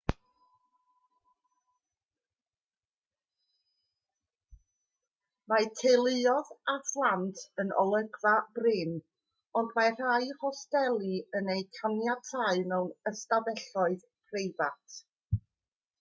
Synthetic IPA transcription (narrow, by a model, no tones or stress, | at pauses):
maɨtʰejlˠɪɔðaθlˠantʰənʔɔ̰lˠəɡvabrɪn | ɔndmar̥aɨhɔstɛlˠiənejkʰanjatʰaɨnɛwnəstavɛɬɔɨð | pʰrejvatʰ